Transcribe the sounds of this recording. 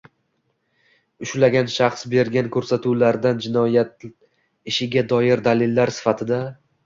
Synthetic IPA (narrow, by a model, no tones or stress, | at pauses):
ʊʃlaɡʲanʃɑχsbe̞ɾɡʲankʰɵɾsat̪ʰulaɾd̪and͡ʒɪnɒjat̪̚ | ɪʃɪɡʲad̪ɒjɪɾd̪alɪlːaɾsɪ̥fat̪ʰɪd̪a